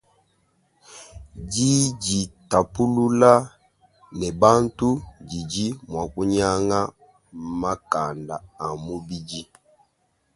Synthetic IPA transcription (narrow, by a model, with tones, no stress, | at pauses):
d͡ʒi˦ɟi˨ta˨pu˦lu˦la˦ | nɛ˨ba˦ntu˦d͡ʒi˨d͡ʒi˦mwa˨ku˦ɲa˦ŋa˦ | ma˦ka˨ndaː˨mu˦bi˦d͡ʒi˦